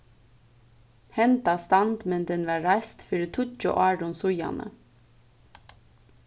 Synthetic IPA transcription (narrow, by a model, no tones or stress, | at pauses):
hɛnt̪ɑst̪ɑnd̪mɛnd̪ɛnʋɑːɹæɪst̪fʏɾət̪ʰʊt͡ʃɔ̰ʔɑːɖʊnsʊjɑ̰nə̰